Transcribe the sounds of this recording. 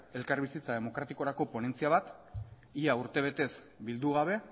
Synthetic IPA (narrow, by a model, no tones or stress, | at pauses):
e̞lkaɾβisit͡sað̞e̞mo̞kɾat̪iko̞ɾako̞po̞ne̞nt͡siaβ̞at̪ | iauɾt̪e̞β̞e̞t̪e̞s | bild̪uɣ̞aβe̞